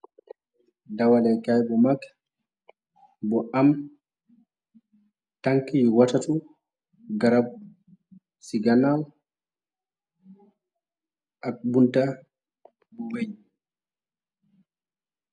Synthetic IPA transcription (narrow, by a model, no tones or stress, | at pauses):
dawalɛkajbɔmak | bɔam | taŋkiwatatu | ɡaɾab̚ | siɡanal | akbunta | bɔweɲ